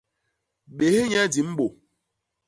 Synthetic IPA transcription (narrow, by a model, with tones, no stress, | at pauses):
ɓe˨he˦ɲɛ˦di˨˦m̩˦ɓo˨